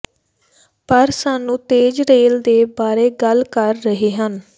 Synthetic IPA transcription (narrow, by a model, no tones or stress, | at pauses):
pəɾsaːnũːt̪eːd͡ʒɾeːld̪eːbaːɾeːɡəlkəɾːəɦiːɦən